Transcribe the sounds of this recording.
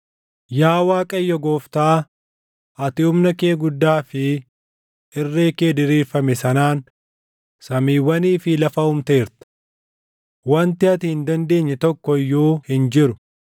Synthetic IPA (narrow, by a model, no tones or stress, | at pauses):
jaːwaːkʼɐjːɔɡoːft̪aː | ʔɐt̪ɪʊmnɐkeːɡʊd̪ːaːfɪ | ɪrːe̞ːke̞ːd̪ɪɾiːɾfɐmɛsɐnaːn | sɐmiːwːɐniːfɪlɐfɐhʊmt̪eːɾt̪ɐ̥ | wɐnt̪ɪɐt̪ɪhɪnd̪ɐnd̪e̞ːɲːɛt̪ɔkːɔjːoːhɪnd͡ʒɪɾʊ̥